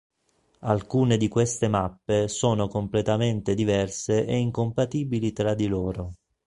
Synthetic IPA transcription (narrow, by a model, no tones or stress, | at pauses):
alkuːned̪ikwest̪emapːesoːnokomplet̪ament̪ed̪ivɛrseʔeiŋkompat̪iːbilit̪ɾad̪iloːɾo